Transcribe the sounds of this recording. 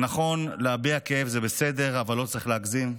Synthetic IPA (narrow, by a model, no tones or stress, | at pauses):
naχo̞nleabiakeefzebesed̪e̞ʁavalːo̞t͡sʁiχleakzim